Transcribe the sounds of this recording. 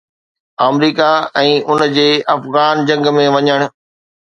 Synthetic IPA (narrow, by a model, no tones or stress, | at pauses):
aːmɾiːkaɛ̃ːʔʊnd͡ʑeːʔɐfɣaːnd͡ʑɐ̃ŋɡmẽʋɐɲəɽ̃̆